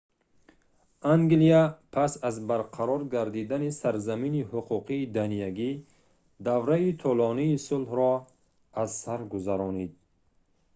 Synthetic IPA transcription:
ʔaŋɡliapʰasazbaɾqʰaɾɔɾɡaɾd̪id̪anisaɾzaminihuqʰuqʰiːd̪anijaɡi | d̪avɾait̪ʰulɔniːsulhɾɔ | azsaɾɡuzaɾɔnid̪̚

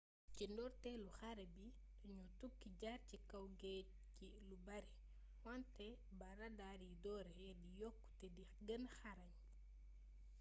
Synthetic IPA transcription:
cindɔɾtɛluxaɾɛbi | tɔɲutukːiɟaɾcikawɡɛ | ci | lubaɾɛ | wantɛ | baɾadaɾidɔɾɛdijɔkːu̥tɛdi | ɡɐnxaɾaɲ

